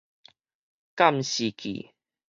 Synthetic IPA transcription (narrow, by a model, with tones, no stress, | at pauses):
ka˥˧˨mɕi˨kḭ˨˩